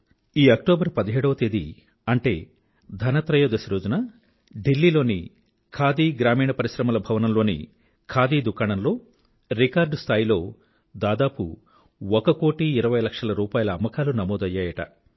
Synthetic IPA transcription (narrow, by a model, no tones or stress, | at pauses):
iːɐkʈoːbɐɾpɐd̪ɐɦeːɽɐʋɐt̪eːd̪ḭ | ɐɳʈe̞ː | d̪ʱɐnɐt̪ɾɐjoːd̪ɐsɐɾoːd͡ʒunaː | ɖilːiːlo̞ːnḭ | kʰaːd̪iːɡɾaːmiːɳɐpɐɾiʃɾɐmɐlɐbʱɐʋɐnɐmlo̞ːnḭ | kʰaːd̪iːd̪ukaːɳɐnlo̞ː | ɾikaːɾɖst̪ʰaːjilo̞ː | d̪aːd̪aːpṵ | ɔkɐko̞ːʈiːɾɐʋɐjlɐkʂɐlɐɾuːpaːjɐlɐːmːɐkaːlunɐmoːd̪ɐjːaːjɐʈɐ̰